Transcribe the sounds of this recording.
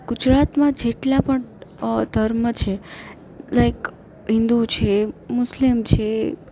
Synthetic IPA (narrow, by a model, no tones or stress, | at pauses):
ɡ̥ʊd͡ʒɾat̪mãd͡ʒeʈlapəɳd̪ʱəɾmət͡ʃʰe | lajk | ɦɪ̃nd̪ut͡ʃʰemʊslimt͡ʃʰe